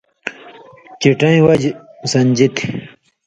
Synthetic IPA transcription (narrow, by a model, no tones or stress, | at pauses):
t͡ɕiʈɐĩwɐd͡ʑsɐnd͡ʑit̪i